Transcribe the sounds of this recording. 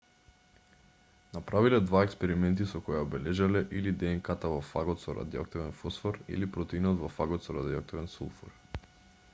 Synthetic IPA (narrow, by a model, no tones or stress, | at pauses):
napɾavilɛd̪vaɛkspɛɾimɛnt̪isɔkɔjaɔbɛlɛʒalɛʔilid̪ɛːŋkat̪avɔfa̰ɡɔt̪sɔɾa̰d̪iɔ̰k̚t̪ɛvɛnfɔsfɔɾḭlipɾɔt̪ɛinɔt̪vɔfaɡɔt̪sɔɾad̪iɔk̚t̪ɔvɛnsulˠfɔ̰ɾ